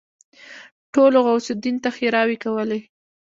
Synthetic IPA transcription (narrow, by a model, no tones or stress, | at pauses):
ʈoloɣawsʊd̪int̪axeɾɑwikawəle